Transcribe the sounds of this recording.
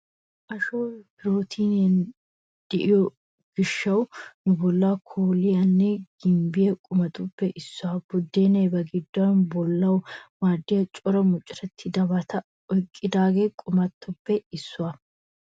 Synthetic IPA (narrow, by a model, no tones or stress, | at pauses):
ʔɐʃoːbɪɾo̞ːt̪ʰiːnɛn | d̪̥ɛʔɪjɔ | ɡ̥ɪʃːɐwnʊbɔlːaːkʰoːlɪjɐnːɛɡ̥ɪmbɪjɛkʼʊmɐt̪ʼʊbːɛʔɪsːʊɐbʊd̪ːeːnɛjbɐɡɪd̪ːʊɐnbɔlːɐwmaːd̪ːɪjɐt͡ʃʼɔɾɐmʊt͡ʃʼɪɾɐt̪ʰːɪd̪ɐbɐt̪ʰɐ | ɔjkʼːɪd̪aːɡeːkʼʊmɐt̪ːʊbːɛɪsːʊa